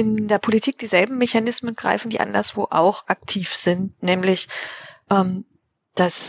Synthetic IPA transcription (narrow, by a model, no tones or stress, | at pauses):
ʔɪndeːɐpʰolitʰiːk̚d̥iːzɛlbm̩meçanɪsmənɡ̥ʁa̰ɪfn̩diːʔa̰ndɐsv̥o̰ːʔa̰ʊxʔak̚tʰiːfz̥ɪnt̚nɛːmlɪçʔɛːm | d̥as